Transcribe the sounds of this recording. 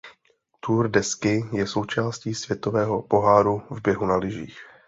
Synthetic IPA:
t̪urdɛskɪjɛso̞wt͡ʃaːsciːsvjɛt̪o̞vɛːɦo̞po̞ɦaːɾuvbjɛɦunalɪʒḭːx

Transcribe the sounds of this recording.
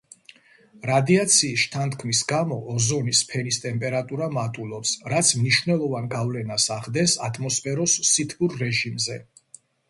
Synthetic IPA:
ɾad̪iat̪sʰiːsʃt̪ʰant̪ʰkʰmisɡamɔʔːzɔnispʰɛnist̪ʼɛmpʼɛɾat̪ʼuɾamat̪ʼulˠɔpsɾat̪sʰmniʃvnɛlˠɔvanɡavlɛnasaʁd̪ɛsat̪ʼʰmɔspʰʼɛɾɔsːit̪ʰbuɾːɛʒimzɛ

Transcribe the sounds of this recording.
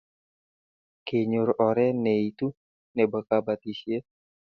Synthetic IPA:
keɲoɾɔɾɛnɛit̪u | nebəkabat̪isje

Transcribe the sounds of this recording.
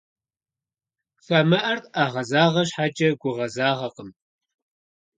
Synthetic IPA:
samɐʔɐrtʼaːʁɐzaːʁɐɕħaːd͡ʒʼɐɡʷʊʁɐzaːʁɐqəm

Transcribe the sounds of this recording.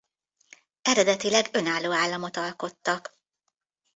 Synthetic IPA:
ɛɾɛd̪ɛt̪ilɛɡø̞naːlːoːaːlːɒmo̞t̪ɒlko̞t̪ːɒk

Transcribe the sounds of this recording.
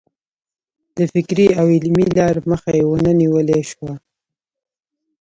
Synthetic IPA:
d̪̥əfɪkɾiawɪlmilɑɾməxajewənəniwəleʃwa

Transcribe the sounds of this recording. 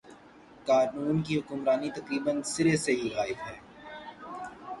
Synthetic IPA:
kaːɾnuːnk̬iɦʊkʊmɾaːnit̪ɐqɾiːbənsɪɾeseɦiɣaːɪfɦɛː

